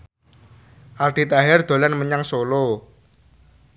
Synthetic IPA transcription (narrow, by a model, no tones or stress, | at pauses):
ʔald̪̥it̪aɦɛrd̪̥o̤lanməɲaŋsolo